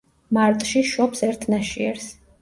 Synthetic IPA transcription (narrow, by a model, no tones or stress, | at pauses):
maɾt̪ʼʃiʃɔpsɛɾt̪ʰnaʃiɛɾs